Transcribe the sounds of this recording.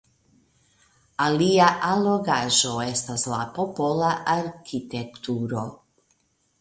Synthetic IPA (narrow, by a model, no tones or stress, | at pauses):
aliaʔaloɡaʒo̞est̪aslapopolaʔaɾkit̪ekt̪uɾo